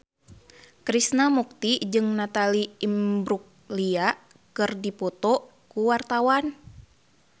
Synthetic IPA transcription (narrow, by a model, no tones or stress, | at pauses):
kɾisnamuk̚t̪id͡ʒɨŋnat̪aliːmbɾuk̚lia | kɨrdipɔt̪ɔ | kuwart̪awan